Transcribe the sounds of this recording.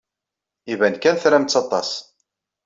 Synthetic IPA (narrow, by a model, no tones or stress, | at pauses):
ivænkænθɾæmt͡sːɑt̪ˤɑ̰s